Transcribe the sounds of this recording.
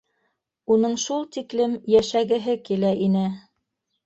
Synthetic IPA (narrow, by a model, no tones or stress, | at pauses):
unɤɴʃulˠt̪iklɘmjæʃæɡɘ̆ɦɘkilæʔinɘ